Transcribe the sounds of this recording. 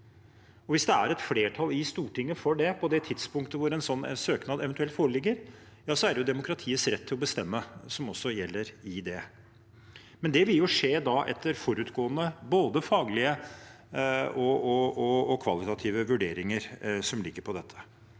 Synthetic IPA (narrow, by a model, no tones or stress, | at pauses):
ɔʋɪsd̪ɛæɾɛt̪fleːʈʰɑlɪst̪uːʈɪŋːəfɔɖɛpʰɔd̪ɛt̪ʰɪd̪spʊŋk̚t̪əʋʊɾɛnsɔn̰ːsøːknɑːd̪ɛʋɛnt̪ʉɛlt̪foːɾəɭɪɡːəɾ | jɑːsɔæɖɛjʊd̪ɛmʊkʰɾɑt̪ʰiːəsɾɛt̪ʰːɪlɔbəst̪ɛmːəsɔmɔsːɔjɛlːəɾɪd̪ɛ | mɛnd̪ɛʋɪljʊʂeːd̪ɑʔɛ̰t̪ʰːəɾfɔɾʉːt̪ɡoːənəboːd̪əfɑːɡlɪə | ɔɔɔɔkʰʋɑlɪt̪ɑt̪ʰiːʋəʋʉɖeːɾɪŋəɾsɔmlɪkːəpʰɔd̪ɛt̪ʰːə̥